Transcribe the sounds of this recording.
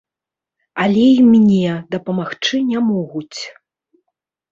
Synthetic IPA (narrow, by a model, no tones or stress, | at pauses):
alʲɛimʲnʲɛd̪ɐpɐmaxt͡ʂɨnʲamɔɣut͡sʲ